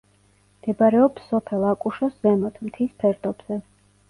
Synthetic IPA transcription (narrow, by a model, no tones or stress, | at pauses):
md̪̥ɛbaɾɛɔpsɔpʰɛlˠakʼuʃɔszɛmɔt̪ʰmt̪ʰispʰɛɾd̪ɔb̥z̥ɛ